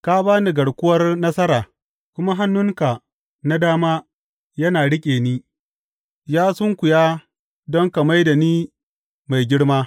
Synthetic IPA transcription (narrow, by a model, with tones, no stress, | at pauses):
ka˦baː˦ni˦ɡɐ˨ɽkʷʊ˦wɐ˦rnɐ˦sɐ˦ɾaː˨ | kʷʊ˦ma˦ɦa˦nːʊ˦ŋka˨ | na˦daː˦maː˦ | jɐ˦naː˨ɽɪ˦kʲʼeː˨niː˦ | jaː˦sʊ˦ŋkʷʊ˨jaː˦ | dɔ˦ŋka˨ma˦jda˨niː˦ | ma˨jɡʲɪ˦ɽmaː˦